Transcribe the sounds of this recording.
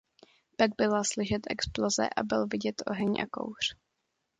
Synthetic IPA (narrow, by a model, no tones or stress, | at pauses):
t̪aɡ̚bɪlaslɪʃɛt̪ʔɛksplozɛ̰ʔa̰bɪlvɪɟɛt̪ʔo̞̰ɦɛɲʔa̰ko̰wr̝̥